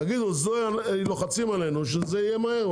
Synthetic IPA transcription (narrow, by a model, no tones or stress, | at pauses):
aɡid̪uzoaloχat͡simale̞nuʃ̬ezeijemahe̞ʁ